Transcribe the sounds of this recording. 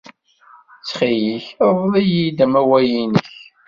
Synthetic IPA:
t͡sːχijiçvˤðˤijid̪æmæwæjinəç

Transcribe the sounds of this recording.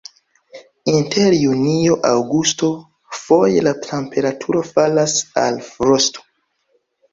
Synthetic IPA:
inteɾjunioʔawɡusto̞ | fo̞jelatʰempʰe̞ɾatʰuɾo̞falasa̰lfɾosto̥

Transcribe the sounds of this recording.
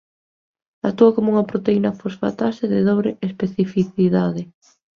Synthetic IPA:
at̪ːuɐkomouŋɐpɾot̪einɐfosfa̰t̪aseðɪðoβɾeʔespeθifiθiðaðɪ

